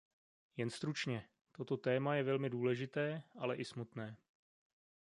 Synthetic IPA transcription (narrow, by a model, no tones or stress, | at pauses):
jɛnst̪ɾut͡ʃɲɛ | t̪o̞t̪o̞t̪ɛːmajɛvɛlmɪduːlɛʒɪt̪ɛːʔalɛʔɪsmut̪nɛː